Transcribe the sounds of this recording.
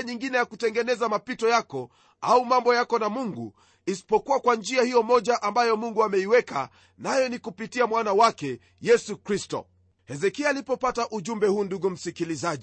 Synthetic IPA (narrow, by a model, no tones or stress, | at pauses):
ɲiŋɡinɛjakutɛŋɡɛnɛzamapitɔjakɔ | aumambɔjakɔnamuŋɡu | isi̥pɔkuwakwand͡ʒiahijɔmɔʄaʔambajɔmuŋɡuamɛiwɛka | najɔnikupitiamwanawakɛ | jɛsukɾistɔ̰ | hɛzɛkiaːlipɔpataʔuʄumbɛhuːnduɡum̩sikilizaʄi